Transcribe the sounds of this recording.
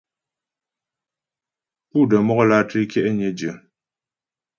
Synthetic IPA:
pu˦˨də˨mɔ˦ɣɔ˦la˦˨ti˦kjɛ˦ʔɛ˦ɲɛ˦d͡ʒə˨

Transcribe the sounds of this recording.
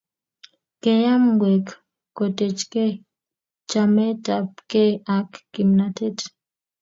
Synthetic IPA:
ke˨ja˦mɡwɛ˨k | ko˨te˨t͡ʃke˦ | t͡ʃa˨mɛ˦ta˨p̚ke˦a˨kːi˨mnatʰɛ˦t

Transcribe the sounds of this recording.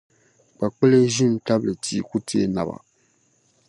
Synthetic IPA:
k͡pa˨k͡pɨ˦le˦ʒi˦m˦ta˦blɨ˨tʰiː˨ku˦tʰi˦e˦na̰˨ba̰˨

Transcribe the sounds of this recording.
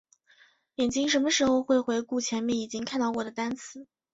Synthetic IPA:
jɛ˨˩nt͡ɕi˥ŋʂə˧˥nmə˧ʂɻ̩˧˥xo˧ʊxwe˥˩ɪxwe˧˥ɪku˥˩t͡ɕʰjɛ˧˥nmjɛ˥˩ni˨˩t͡ɕi˥ŋkʰa˥˧nt̪ɑ˥˩ʊkwɔ˥˩d̪ə˩t̪a˥nt͡sʰɹ̩˧˥˦

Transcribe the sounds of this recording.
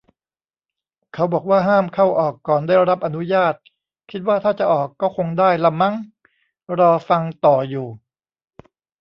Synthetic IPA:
kʰa˦˥wbɔː˨˩k̚waː˥˩ɦaː˥˩mkʰa˥˩wʔɔː˨˩kːɔː˨˩ndaː˥˩jɾa˦˥p̚ʔa˧nu˦˥jaː˥˩t̪̚ | kʰi˦˥t̪̚waː˥˩t̪ʰaː˥˩t͡ɕa˨˩ʔɔː˨˩kːɔː˥˩kʰo˧ŋdaː˥˩jla˧ma˦˥ŋ | ɾɔː˧fa˧ŋt̪ɔː˨˩juː˨˩

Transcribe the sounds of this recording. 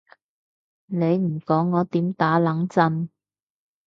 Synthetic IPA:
ne˨˧jm̩˨˩kɔː˨˥ŋːɔː˨˧t̪iː˨˥mt̪aː˨˥lɐ˨˥ŋt͡sɐ˧n

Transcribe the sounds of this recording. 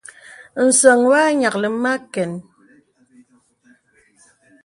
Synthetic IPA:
n̩˨sɔ˨ŋwa˦ɲa˨k̚lə˨˦ma˦kɛ˨n

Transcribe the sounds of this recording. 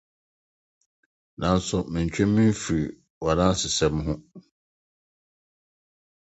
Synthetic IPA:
nã˨n̩˦sʊ˨mɪ̃˨ɲ̩˨t͡ɕᶣɛ̃˦mːĩ˦m˦fi˨ɾi˨ | wa˨nã˦sɪ˨sɛ˦mɦʊ̃˦

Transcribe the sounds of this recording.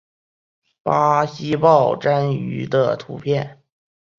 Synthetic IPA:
pa˥ɕi˥pɑ˥˩ʊʈ͡ʂa˥ny̰˧˥d̪ə˧t̪ʰṵ˧˥pʰjɛ˥˩n

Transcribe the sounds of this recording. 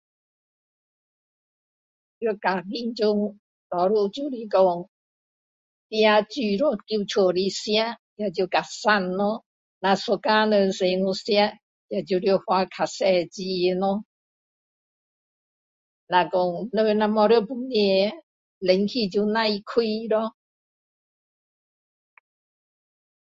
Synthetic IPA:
djo˥˧˩ka˨˩ki˧˨nt͡ɕu˧ŋ | lɔ˨˦ɾu˥˧˨t͡ɕu˧li˧kɔ˧ŋ | t̪ja˧t͡ɕy˧˩ɾɔ˧˩ki˧wt͡ɕʰo˨˩li˧sja˦ | ja˧˩t͡ɕi˧ka˨˩sa˥˧˨nːɔ˧˦ | nã˧so˧ka˧nə˧se˨˧ŋu˧sja˦ | ja˧˩t͡ɕu˧ɾjo˧˩hwa˧kʰa˨sɛ˧t͡ɕi˧e˧nɔ˧˦ | nã˧kɔ˧ŋnə˧nã˧mɔ˧ɾjo˥˧pu˧˦ni˧˨ | le˨˦ŋkʰi˧t͡ɕu˧nã˧i˧kʰwi˧lɔ˧˦

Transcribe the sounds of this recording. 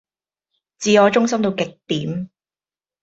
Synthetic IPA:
t͡siː˨˧ɔː˨˧t͡ʃʊ˥ŋsɐ˥mt̪o˧wkɪ˨k̚t̪iː˨˥m

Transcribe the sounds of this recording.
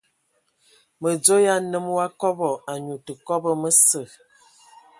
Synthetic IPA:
mə˨d͡zo˦ja˦nə˦m˦wa˦kɔ˦bɔ˨a˨ɲu˨tə˨kɔ˦bə˦mə˦sə˨

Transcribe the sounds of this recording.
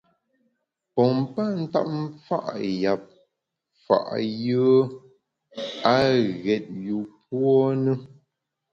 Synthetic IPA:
pɔ˨m̩˦pa˦n̩˦ta̰˦˨p̚m̩˦fa̰˦ʔja˨p̚ | fa̰˨ʔjə˦ | a˦ɣɛ˨t̚ju˨p̚wɔ˦nə˦

